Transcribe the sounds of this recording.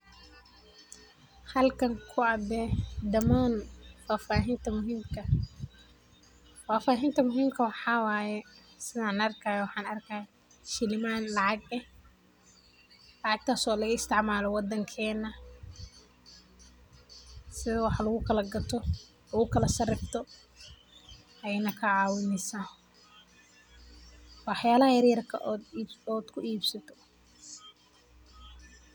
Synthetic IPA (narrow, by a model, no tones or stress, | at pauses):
hɐlkʰɐŋkʰʊɐbɛːd̪ɐmaːnfaːfaːɦɪnt̪ʰɐmʊɦiːmkʰɐ | faːfaːɦɪnt̪ʰɐmʊɦiːmkʰɐwɑħɑːwaːjɛ | sɪðaːnɐrkʰajɐwɑħɑːnɐrkʰaːj | ʃɪlɪmaːnlɑʕɑɡɛh | lɑʕɑɡ̚t̪ʰaːsɔːlɐʊɪst̪ʰɪʕmaːlɔwɑd̪ɐŋkʰɛːnːɐ | sɪðɐwɑħlɐɣʊkʰɐlɐɡɐt̪ʰɔ | lɐɣʊkʰɐlɐsɐrɪb̚t̪ʰɔ | ʔɐjɛnɐkʰɐʕɑːwɪnɪsaː | wɑħjaːlɐɦɐjɐrjɐrkʰɐʔɔd̪ːɔːd̪̥kʰʊʔiːbsɐt̪ʰɔ̥